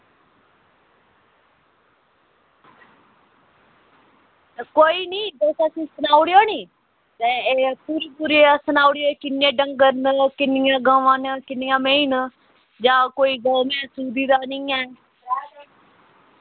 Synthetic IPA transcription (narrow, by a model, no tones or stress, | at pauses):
koːiːnĩːd͡ʒɛːsaːsĩːsənaːʊɽjoːnĩː | t̪ɛːepuːɾiːpuːɾiasənaːʊɽjoeːkɪnjẽːɖəŋɡəɾnəkɪnɪjãːɡaːʋãːnəkɪnɪjãːmeːin | d͡ʒãːkoːiːɡaːmɛ̃ːsuːd̪iːd̪aːnĩːɛː